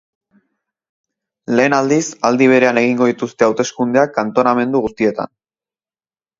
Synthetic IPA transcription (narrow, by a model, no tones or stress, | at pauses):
le̞ːnald̪isald̪iβ̞e̞ɾe̞ane̞ɣ̞iŋɡo̞ðit̪ust̪e̞awt̪e̞skund̪eakant̪o̞name̞nd̪uɣust̪ie̞t̪a̰n